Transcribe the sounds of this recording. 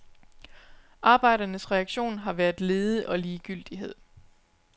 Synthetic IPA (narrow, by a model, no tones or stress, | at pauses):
ʔɑ̈ːb̥ɑ̈ɪ̰ɾ̥ɐnəsʁɛɑ̈ɡ̥ɕo̝̰ːnɦɑ̈ʋæɐðˠle̝ːð̞ˠəʔɒ̽liːɡ̥yl̰d̥iɦe̝ð̞̰ˠ